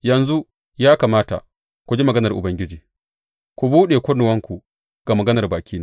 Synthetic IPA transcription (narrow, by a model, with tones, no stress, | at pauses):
jɐ˨nzu˦ | jaː˦kaː˨maː˦ta̰˨ | kʷu˨d͡ʒi˦mɐ˨ɡɐ˦nɐ˨rʔʊ̰˨bɐ˦ŋɡʲɪ˦d͡ʒiː˨ | kʷu˨buː˦ɗeː˨kʷʊ˦nʊ˨wɐ˦ŋkʷu˨ | ɡ̥a˨mɐ˨ɡɐ˦nɐ˨rbaː˨kʲʰiː˦na˦